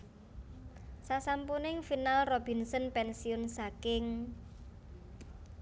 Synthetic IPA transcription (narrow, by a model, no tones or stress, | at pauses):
sasampunɪŋfinalrob̥i̤nsɔnpɛnsiʊnsakɪŋ